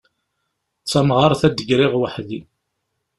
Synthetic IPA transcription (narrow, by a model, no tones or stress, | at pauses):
t͡sːɑmʁɑɾˤθæd̪əɡɾɪʁwəħði